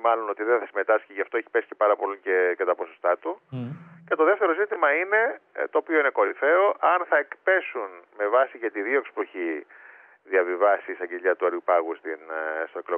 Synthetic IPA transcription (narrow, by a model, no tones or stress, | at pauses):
mɐlo̞no̞t̪iðeθɐsime̞t̪ɐsçiʝɐft̪o̞eçi̥pesi̥cepɐɾɐpo̞licecet̪ɐpo̞so̞st̪ɐt̪uce̞t̪o̞ðe̞ft̪e̞ɾo̞zit̪imɐine̞t̪oːpio̞ineko̞ɾiθe̞o̞ʔɐnθɐekpe̞sunme̞vɐsicet̪iðio̞ksi̥peçi | ðiɐvivɐsist̪ɐɟeʎɐt̪uɐɾjupɐɣust̪inst̪o̞eklo